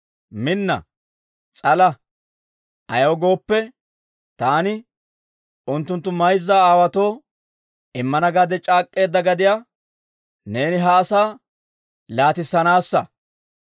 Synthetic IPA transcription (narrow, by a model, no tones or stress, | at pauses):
mɪnːɐ̰ | t͡sʼɐlɐ | ʔɐjɐwɔɡo̞ːpːɛ | t̪aːnɪ | ʔʊnt̪ːʊnt̪ːʊmɐjzːaaːwɐt̪o̞ː | ʔɪmːɐnɐɡad̪ɛt͡ʃʼaːkʼːe̞ːd̪ːɐɡɐd̪ɪja | ne̞ːnɪɦɐːsaː | laːt̪ɪsːɐnaːsːɐ